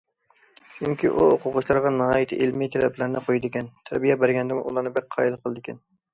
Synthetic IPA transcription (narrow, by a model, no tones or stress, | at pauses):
t͡ʃʰyŋkʲiʔuoqʰʊʁʊʃlˠɑɾʁɑnɨhɑːjit̪ʰɪ̰ʔelmijt̪ʰɛlɛplæɾnɪqʰojid̪ɪkʲɛnt̪ʰæ̰ɾbijɛbæɾɡʲɛnd̪ɪmʔulˠɑɾnɨbɛk̚ʲqʰːɑːilˠqʰəlˠd̪ɪkʲɛn